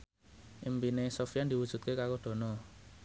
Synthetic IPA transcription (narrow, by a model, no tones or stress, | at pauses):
ʔimpinesofiand̪iwud̥ʒ̥ṳt̪̚kekaɾod̪̥ɔ̤nɔ